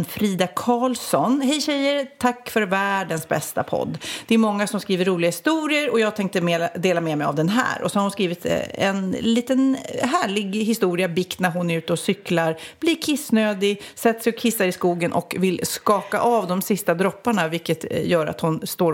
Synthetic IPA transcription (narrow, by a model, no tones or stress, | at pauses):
fɾiːd̪akʰɑːlsɔnɦɛjɕɛjːəɾt̪ʰakːfœɾvæːɖənsbɛ̰st̪a̰pʰɔ̰d̪ːd̪̥ɛæɾmɔŋːasɔmskɾiːvəɾːuːlɪɡahɪst̪uːɾɪəɾɔjɑːɡ̚t̪ʰɛŋkt̪əmed̪eːlamɛmɛja̰vd̪ɛnɦæ̰ːɾɔ̰sɔhaɾhʊnskɾiːvɪt̪ɛ̰nliːt̪ənɦæːɭɪɡɦɪst̪uːɾɪabɪkt̪næɾɦʊnæɾʉ̟ːt̪əɔsʏklaɾb̥liɾkʰɪsnøːd̪ɪɡsɛt̪ːsɛjɔkʰːɪsːaɾɪskuːɡənʔɔ̰kvɪlskɑːka̰ʔavd̪ɔmsɪst̪ad̪ɾɔpːaɳavɪlkːət̪jœːɾa̰t̪hʊnst̪oː